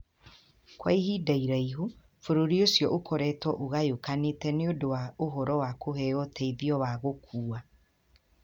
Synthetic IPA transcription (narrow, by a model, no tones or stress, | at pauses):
kwa̰ihidaiɾaiɦu | foɾoɾiosjɔʔokʰɔɾɛtɔʔoɣajokanetɛneodowaoɦɔɾɔwakoɦɛɔtʰɛiðiɔwaɣokʰuːa